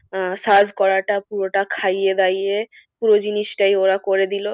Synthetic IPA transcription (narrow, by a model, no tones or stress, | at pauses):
saɾbʱkɔɾaʈapuɾoʈakʰajed̪aje | puɾod͡ʑiniʃʈajoɾakoɾed̪ilo